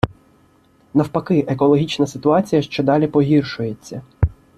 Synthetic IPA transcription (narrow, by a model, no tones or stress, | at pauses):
nɐwpɐkɪʔekɔlˠɔɦʲit͡ʃnɐsɪt̪ʊɑt͡sʲijɐʃt͡ʃɛd̪ɑlʲipɔɦʲirʃʊje̞t͡sʲːɐ